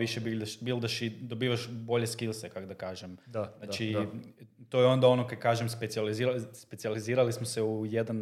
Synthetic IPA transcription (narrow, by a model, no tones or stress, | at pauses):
ʋiʃebild̪aʃbilˠd̪aʃid̪obiːʋaʃbo̞ʎe̞skilˠsekakod̪akaːʒemnat͡ʃi | t̪ojeo̞nd̪aonokad̪kaːʒemspesializiːɾalspet̪sializiːɾalismoseujed̪an